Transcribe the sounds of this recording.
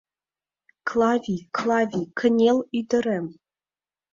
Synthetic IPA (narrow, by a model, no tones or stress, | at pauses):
klˠɑvʲikʰlˠɑvʲikʰɘ̆nʲelʲyd̪ɘ̆ɾem